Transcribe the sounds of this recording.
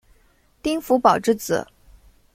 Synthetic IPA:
t̪i˥ŋfu˧˥pɑ˨˩ʊʈ͡ʂɻ̩˥˩t͡sɹ̩̰˨˩˦

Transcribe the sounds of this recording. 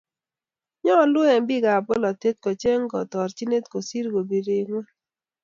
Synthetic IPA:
ɲɔ˦lʊ˦ɛ˨mbɪ˦˨ɡa˨bo˦lɔ˨te˦t̚kɔ˨t͡ʃe˦ŋ˦ɡɔ˨tɔ˨ɾt͡ʃi˦ne˦tko˨si˦ɾɡo˨bi˨ɾe˨ŋwɛ˦

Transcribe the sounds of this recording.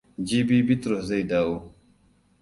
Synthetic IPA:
d͡ʒi˦bi˦bi˦t̪ɾo˨zɐ˦jdaː˨˦wo˦

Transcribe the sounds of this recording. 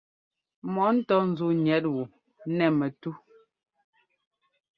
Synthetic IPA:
mɔ˨˦n̩˦tɔ˦n̩˨˦zu˦ɲɛ˨˦t̚wu˨˦ | nɛ˨mɛ˨tu˦

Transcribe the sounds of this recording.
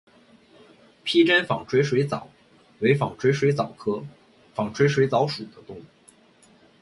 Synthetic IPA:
pʰi˥ʈ͡ʂə˥nfɑ˨˩ŋʈ͡ʂʰwe˥ɪʂwe˧˥ɪt͡sɑ˨˩˦ʊ | we˧˥ɪfɑ˨˩ŋʈ͡ʂʰwe˥ɪʂwe˧˥ɪt͡sɑ˨˩ʊkʰɤ˥ | fɑ˨˩ŋʈ͡ʂʰwe˥ɪʂwe˧˥ɪt͡sɑ˧˥ʊʂu˨˩d̪ə˦t̪ʊ˥ŋ˩

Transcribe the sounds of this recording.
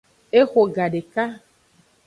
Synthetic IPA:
e˦xo˨ɡa˨ɖe˨ka˦

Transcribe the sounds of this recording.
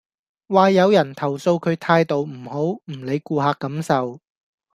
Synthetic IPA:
waː˨˧jɐ˨˧wjɐ˨˩nt̪ʰɐ˨˩wso˧wkʰɵ˨˧ɥt̪ʰaː˧jt̪o˨wm̩˨˩ho˨˥wm̩˨˩le˨˧jkuː˧ɦaː˨˧kːɐ˨˥msɐ˨w

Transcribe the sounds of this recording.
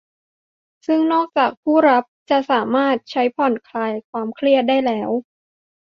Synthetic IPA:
sɯ˥˩ŋnɔː˥˩k̚t͡ɕaː˨˩k̚pʰuː˥˩ɾa˦˥p̚t͡ɕa˨˩ʔsaː˩˦maː˥˩t̪̚t͡ɕʰa˦˥jpʰɔ˨˩nkʰlaː˧jkʰwaː˧mkʰli˥˩ət̪̚daː˥˩jlɛː˦˥w

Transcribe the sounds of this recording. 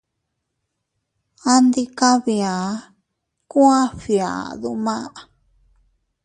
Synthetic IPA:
a˧nd̪i˧ka˦βi˧a˨ | kũ˦ã˦ɸi˧a̰˨ðu˧mã˦˨

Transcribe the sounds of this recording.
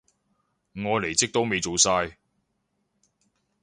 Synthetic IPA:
ŋɔː˨˧le˨˩jt͡sɪ˥k̚t̪o˥wme˨˧jt͡so˨˧wsaː˧j

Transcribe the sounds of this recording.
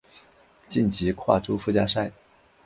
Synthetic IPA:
t͡ɕi˥˩nt͡ɕi˧˥kʰwa̰˥˩ʈ͡ʂu˥˩fu˥˧t͡ɕja˥ʂa˥˩ɪ

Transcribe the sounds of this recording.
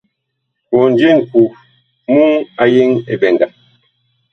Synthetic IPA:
ko˨n˦d͡ʒe˦˨ŋ̩˨ku˨ | mu˦ŋa˨je˦ŋe˨bɛ˨nda˨

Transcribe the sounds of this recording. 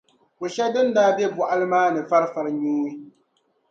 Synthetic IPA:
ko˨ʃɛ˦dɨ˦n˦daː˦bjɛ˦bɔ˨ʔa˦lɨ˦maː˦nɨ˨fa˦ɾɨ˦fa˨ɾɨ˦ɲuː˦ɨ˦

